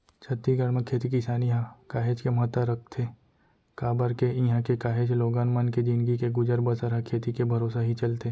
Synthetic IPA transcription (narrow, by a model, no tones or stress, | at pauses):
t͡ʃʰɐt̪ːiɡəɽməkʰeːt̪ikisaːniɦãkaːɦed͡ʒkeməɦət̪əɾɐk̚ʰt̪ʰe | kaːbəɾkeiɦãkekaːɦeːd͡ʒloːɡaːnmənked͡ʒinɡikeɡʊd͡ʒəɾbəsəɾakʰeːt̪ikebʱɐɾoːsaɦit͡ʃɐlt̪e